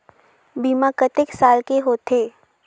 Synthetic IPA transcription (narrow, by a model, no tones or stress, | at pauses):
biːmakət̪ɪksaːlkeɦoːt̪ʰeː